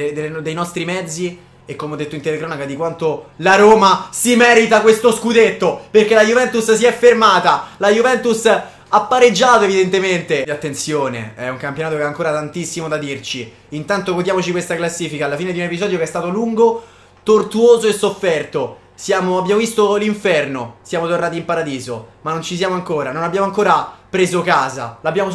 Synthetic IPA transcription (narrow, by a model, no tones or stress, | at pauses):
d̪elːd̪ejnɔst̪ɾimɛd̪zːi | ekːomeɔd̪ːet̪ːoint̪elekɾɔnakad̪ikwant̪olaɾoːmasimɛːɾit̪akwest̪oskud̪et̪ːoperkelajuvɛnt̪ussiɛfːermaːt̪alajuvɛnt̪us | apːaɾed͡ʒːaːt̪oevid̪ent̪ement̪eat̪ːent̪sjoːnḛɛuŋkampjonaːt̪okeaŋkoːɾat̪ant̪isːimod̪ad̪irt͡ʃiː | nt̪ant̪oɡod̪jamot͡ʃikwest̪aklasːiːfikaːlːafiːned̪iunepizɔːd̪jokeɛst̪aːt̪oluŋɡo | t̪ort̪uoːzoesːofːɛrt̪o | sjaːmoabːjaːmovist̪oliɱfɛrnosjaːmot̪ornaːt̪̬impaɾad̪iːzo̰manːont͡ʃis̬jaːmoaŋkoːɾanonabːjaːmoaŋkoːɾapɾeːzokaːza̰labːjaːmo